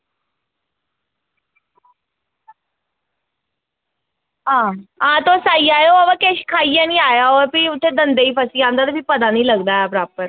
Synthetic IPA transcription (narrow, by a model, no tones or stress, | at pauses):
ɦãɦãt̪osaiajoaʋakeɕkʰaianiajaʋəpiːut̪ʰːed̪ənd̪eiːpəsiːãnd̪at̪əpiːpəd̪aniːləɡd̪ajapɾapːəɾ